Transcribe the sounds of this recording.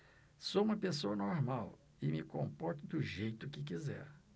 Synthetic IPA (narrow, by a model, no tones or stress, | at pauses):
soũmɐpesoɐnoɾmaw | ɪmɪkõmpɔɾt̪ʊd̪ʊʒejt̪ʊkɪk̬izɛ̰ɾ